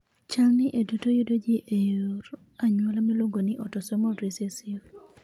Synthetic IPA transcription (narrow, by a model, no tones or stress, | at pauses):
t͡ʃaŋnɪʔedutojudod͡ʒiʔejoɾ | aɲwɔlamiloŋɡonɪʔɔtɔsɔmɔɾisesior